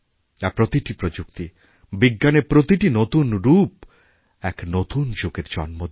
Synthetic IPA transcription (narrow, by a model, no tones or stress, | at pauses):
d͡ʒapɾot̪iʈipɾod͡ʒukt̪i | biɡːanepɾot̪iʈinot̪unɾup | ɛknot̪und͡ʒoɡeɾd͡ʒɔ̰nmo